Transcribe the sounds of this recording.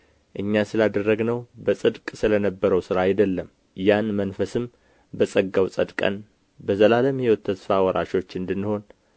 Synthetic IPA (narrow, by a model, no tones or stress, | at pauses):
ʔɨɲːasɨlad̪ərːəɡnəwbəsʼɨd̪kʼsɨlənəbːəɾəwsɨɾaːjd̪əlːəm | janmənfəsɨm | bəsʼəɡawsʼəd̪kʼə̰n | bəzəlaləmhɛwɔt̪ʰːəsfawɔɾʔa̰ʃo̞t͡ʃːɨnd̪ɨnːho̞n